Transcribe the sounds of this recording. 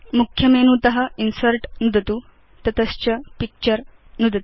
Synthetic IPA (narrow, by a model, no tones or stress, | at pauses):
mukʰjɐmenuːt̪ɐɦɐinsəɾʈnud̪ʱt̪u | t̪ɐt̪əst͡ɕɐpik̚t͡ɕəɾ | nud̪ʱt̪u